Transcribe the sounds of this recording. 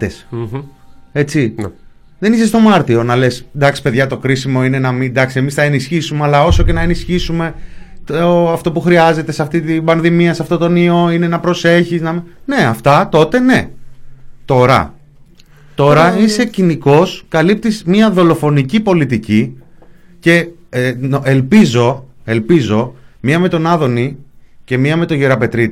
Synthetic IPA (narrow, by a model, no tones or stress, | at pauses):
es | e̞t͡si | ðe̞nisest̪o̞mɐɾt̪io̞nɐle̞sd̪ɐksi̥pe̞ðʝɐt̪o̞kɾisimo̞ine̞nɐmind̪ɐksiemisθɐe̞nisçisumeɐlɐo̞so̞ce̞nɐe̞nisçisume̞t̪oɐft̪o̞puxɾiɐze̞t̪e̞sɐft̪it̪ibɐnðimiɐsɐft̪o̞t̪o̞nio̞ine̞nɐpɾo̞se̞çiznɐmine̞ɐft̪ɐt̪o̞t̪e̞ne̞ | t̪o̞ɾɐ̰ | t̪o̞ɾɐise̞ciniko̞skɐlip̚t̪izmiɐðo̞lo̞fo̞nicipo̞lit̪ici | ce̞ | ʔe̞lpizo̞e̞lpizo̞miɐme̞t̪o̞nɐðo̞nice̞miɐme̞t̪o̞ʝeɾɐpe̞t̪ɾit̪i